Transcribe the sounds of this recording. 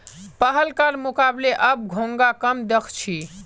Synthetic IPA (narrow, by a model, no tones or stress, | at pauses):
pəɦəlkaɾmukableʔəb̚ɡʱõŋɡakəmd̪ekʰt͡ʃʰi